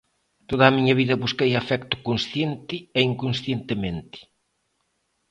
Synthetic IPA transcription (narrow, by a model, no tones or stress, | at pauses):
t̪oðɐːmiɲɐβiðɐβuskejafɛkt̪ʊ̥kõnsθjent̪ɪeiŋkõnsθjent̪ɪmẽnt̪ɪ̥